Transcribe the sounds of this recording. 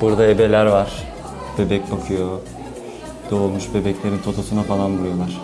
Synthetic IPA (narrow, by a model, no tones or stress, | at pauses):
b̥uɾd̪aebe̞lʲæɾvaɾ̥ | b̥e̞bɛc̚ʲbakʰɯjo̞ | d̪̥oːlˠmuʃbe̞bɛclʲe̞ɾint̪ʰo̞t̪ʰosunafalˠanbuɾujo̞lˠaɾ̥